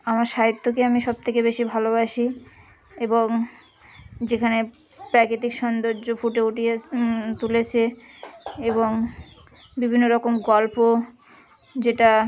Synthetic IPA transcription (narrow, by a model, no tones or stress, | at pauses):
amaɾʃaɦit̪ːokeamiʃɔb̚t̪ʰekebeʃibʱalobaʃi | eboŋ | d͡ʑekʰane | pɾakɾit̪ikʃɔnd̪oɾd͡ʑofuʈeuʈijet̪ulet͡ɕʰe | eβoŋ | bibʱinːoɾɔkomɡɔlpo | d͡ʑeʈa